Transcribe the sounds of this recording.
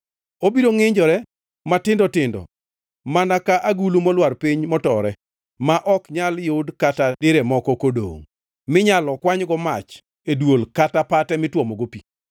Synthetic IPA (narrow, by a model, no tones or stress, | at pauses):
obiɾoŋɪɲd͡ʒɔɾɛ | matɪndɔtɪndɔ̰ | manakaʔaɡulumɔlwarpiɲmɔtɔɾɛ | maʔɔkɲaljʊdkatadɪɾɛmɔkɔkodo̰ŋ | mɪɲalɔkwaɲɡɔmat͡ʃ | edwolkatapatɛmɪtwomoɡopi